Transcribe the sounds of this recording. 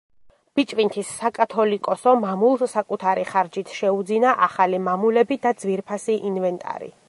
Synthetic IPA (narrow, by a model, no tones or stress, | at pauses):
b̥it͡ʃʼvint̪ʰisːakʼat̪ʰɔlikʼɔsɔmamulˠsakʼut̪ʰaɾiχaɾd͡ʒit̪ʰʃɛud̪zinaʔaχalimamulɛbid̪ad̪z̥viɾpʰasiʔinvɛnt̪ʼa̰ɾḭ